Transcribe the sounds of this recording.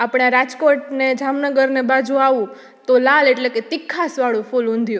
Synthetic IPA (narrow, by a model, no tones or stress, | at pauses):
apɽ̃aɾad͡ʒkoʈned͡ʒamnəɡəɾnebad͡ʒũaʋũ | t̪olaleʈleket̪ikʰːasʋaɭũfulõnd̪ʱjũ